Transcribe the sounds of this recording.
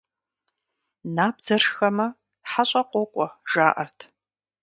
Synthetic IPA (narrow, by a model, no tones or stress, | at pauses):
naːb̚z̥ɐrxɐmɐ | ħaɕʼɐqʷɔkʷʼɔʒaːʔɐrtʰ